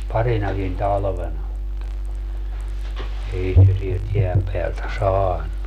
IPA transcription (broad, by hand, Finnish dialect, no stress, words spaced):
pɑrinɑkin tɑlʋenɑ mutːɑ ei se sielt jeæm peæltæ sɑːnˑu